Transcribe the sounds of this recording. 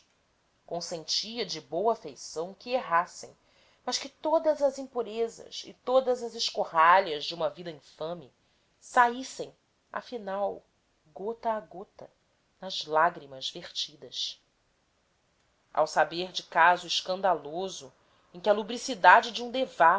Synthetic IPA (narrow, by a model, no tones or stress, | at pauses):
kõsẽnt͡ʃiɐd͡ʒɪbowɐfejsɐ̃w̃kɪeɦasẽj̃ | mɐʃkɪt̪od̪ɐzɐzĩpuɾezɐ̰sɪ̰t̪od̪ɐzɐzɪʃkohaʎɐzd͡ʒɪũmɐvid̪ɐĩfɐ̃mɪ | saisẽj̃ | a̰finaw | ɡot̪ɐːɡot̪ɐ | nɐzlaɡɾimɐzveχt͡ʃid̪ɐʃ | ʔa̰wsabeɾd͡ʒɪkazʊɪʃkɐ̃nd̪alozʊ | ẽkɪɐlubɾisid̪ad͡ʒɪd͡ʒiũd̪eva